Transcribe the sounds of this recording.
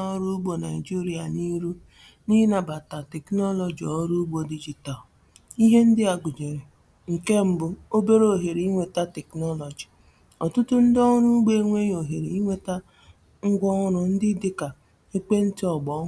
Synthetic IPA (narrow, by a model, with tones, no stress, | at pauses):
ɔ˦ɾu˦ɡ͡bo˨na˨ɪ˨d͡ʒi˦ɾi˦a˨ni˦ɾu˦ | ni˦na˨ba˨ta˨tɛ˨knɔ˦lɔ˨d͡ʒi˨ɔ˦ɾu˦ɡ͡bo˨di˦d͡ʒi˨ta˨l | i˦ɦe˦n̩˦dɪ˦a˨ɡʷʊ˨d͡ʒe˨ɾe˨ | ŋ̩˨ke˦m̩˦bʊ˦o˦be˦ɾo˨ɦe˨ɾi˦ŋʷe˨ta˦tɛ˨knɔ˦lɔ˨d͡ʒi̥˨ | ɔ˨tʊ˦tʊ˦n̩˦dɔ˦ŋʊ˦ɾʊ˦ɡ͡be˦ŋʷe˦ɲ˦o˨ɦe˨ɾe˨i˦ŋʷe˦ta˦ | ŋ̩˦ɡʷɔ˦ŋʊ˦ɾʊ˨n̩˦dɪ˦dɪ˦ka˨ | e˦k͡pe˦n̩˦tɪ˦ɔ˨ɡ͡bɔ˨˦